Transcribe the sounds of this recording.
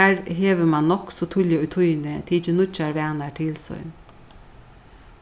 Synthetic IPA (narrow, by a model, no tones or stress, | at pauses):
æɹɦeːʋəmanːɔksɔt̪ʰʊljɪʊjt̪ʰʊjnət̪ʰiːt͡ʃɪnʊt͡ʃːaɹʋæːnaʈʰɪlsɔ̰jn